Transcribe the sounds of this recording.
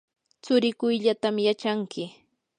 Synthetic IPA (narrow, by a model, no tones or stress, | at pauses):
t͡sʊɾɪkʊjʎat̪amjat͡ʃaŋkɪ